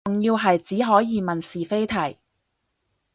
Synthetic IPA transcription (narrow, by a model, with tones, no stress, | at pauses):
ʊ˨ŋjiː˧wɦɐ˨jt͡siː˨˥ɦɔː˨˥jiː˨˧mɐ˨nsiː˨fe˥jt̪ʰɐ˨˩j